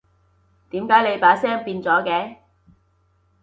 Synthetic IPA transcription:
t̪iː˨˥mkaː˨˥jle˨˧jpaː˨˥sɛː˥ŋpiː˧nt͡sɔː˨˥kɛː˨˧

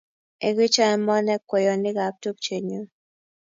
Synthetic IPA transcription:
e˨ɡi˦t͡ʃa˦˨mɔ˦nɛ˦kwɛ˨jɔ˨nɪ˦ɡa˨p̚to˦k̚t͡ʃe˨ɲo˨

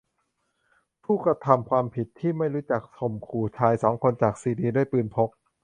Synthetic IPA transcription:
pʰuː˥˩kɾa˧t̪ʰa˧mkʰwaː˧mpʰi˨˩t̪ʰːiː˥˩ma˥˩jɾuː˦˥t͡ɕa˨˩k̚sʰo˨˩mkʰuː˨˩t͡ɕʰaː˧jsɔː˩˦ŋkʰo˧nt͡ɕaː˨˩k̚siː˨˩diː˧du˥˩əjpɯː˧npʰo˦˥k̚

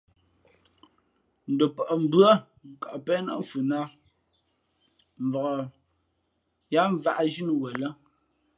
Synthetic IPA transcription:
n̩˨do˨pɔ˨ʔɔ˨m̩˨bɰa˦ | ŋ˨ka˨ʔpɛː˦na̰˦ɱ̩˨fu˨na˦ | m̩˨vɔ˨ɣɔ˨ | ja˦ɱ˨va˨ʔa˦d͡ʒi˦n˨wə˨lə˦

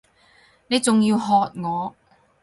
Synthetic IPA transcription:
ne˨˧jt͡sʊ˨ŋjiː˧wɦɔː˨˧t̚ŋɔː˨˧

